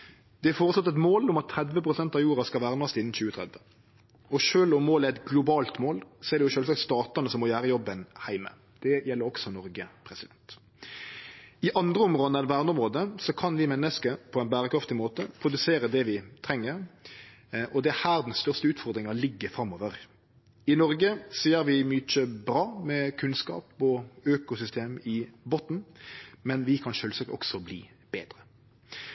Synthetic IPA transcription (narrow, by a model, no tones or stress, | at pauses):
d̪̥ɛæfoːɾətslɑt̪ːɛt̪moːlʊmɑt̪ʰːɾɛd̪ʋəpʰɾʊsɛnt̪ɑʋjuːɾɑskɑlʋæːʁnɑst̪ɪnːnçʉːət̪ʰɾɛ̰d̪ʋə | ɔʃøːlɔmːoːlæɛt̪ɡlʊbɑːlt̪moːlsɔɛɾʁd̪ɛjʊʃøːlsɑkt̪st̪ɑːt̪ɑnəsɔmːɔjæːɾəjɔbːənhæɪmə̰ | d̪̥ɛjɛlːəɾɔksɔnɔɾɡəpʰɾɛsɪd̪ɛnt̪ | ɪʔɑnd̪ɾəɔmʁoːd̪əɛlʋæːʁnɔmʁoːd̪əsɔkʰɑnʋɪmɛnːəskəpʰɔɛnbæːɾəkʰɾɑft̪ɪmoːt̪əpʰɾʊd̪ʉseːɾəd̪ɛʋɪt̪ʰɾɛŋːəɾ | ʔɔd̪ɛæhæːʁd̪ɛnst̪œʁst̪əʉːt̪fɔʁd̪ɾɪŋɑlɪɡːəfɾɑmːɔːʋəʁ | ɪnɔɾɡəseːəɾʋɪmyt͡ʃəbɾɑːmɛkʰʉnskɑ̰ːpɔøːkʊsʏst̪ʰeːmɪbɔt̪n̩mɛnʋɪkʰɑnʃøːlsɑkt̪ɔ̰ksɔblḭː | b̥eːd̪ɾə